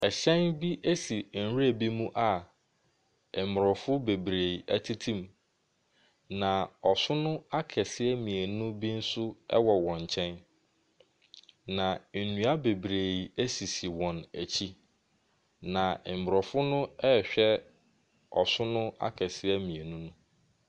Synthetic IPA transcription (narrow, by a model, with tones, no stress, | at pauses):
ɛ˨ɕɛ̃˦nbi˦ʔe˦si˨n̩˨ɾi˦e˨bi˦mũ˦ʔa˨ | m˨m˨ɾɔ˨fʊ˦be˨bɾe˨i˨æ˦tʰi˦tʰĩ˦m | nã˨ɔ˨sʊ˦nʊ̃˦a˦kʰɛ˨sɪ˦ɛ˦mĩ˨e˨nʊ̃˦bi˦n̩˦sʊ˦ɛ̰˦wɔ˨wɔ̃˨ɲ˨t͡ɕʰɛ̃˦n | nã˨n̩˨nũ˨a˦be˨bɾe˨i˨e˦si˨si˨wɔ̃˨næ˨t͡ɕʰi˦ | nã˨m̩˨m˨ɾɔ˨fʊ˦nʊ̃˦ɛ˦˨ɕᶣɛ˦ | ɔ˨sʊ˦nʊ̃˦a̰˦kʰɛ˨sɪ˦ɛ˦mĩ˨e˨nũ˦nũ˦